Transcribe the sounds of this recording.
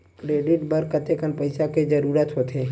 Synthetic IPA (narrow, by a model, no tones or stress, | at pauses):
kɾeːɖɪʈbəɾkət̪ʰekənpɐɪsaked͡ʒɐɾuːɾət̪ɦot̪ʰeː